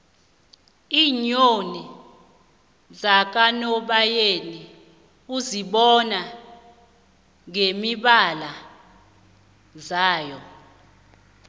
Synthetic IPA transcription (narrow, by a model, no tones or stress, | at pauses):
iːɲoni | zak̬anɔɓajeni | uziɓɔna | ŋemiɓala | zaːjɔ